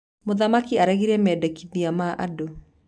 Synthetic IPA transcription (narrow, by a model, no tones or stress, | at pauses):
moðamakiaɾɛɣiɾɛmɛːdɛkiðiamaʔado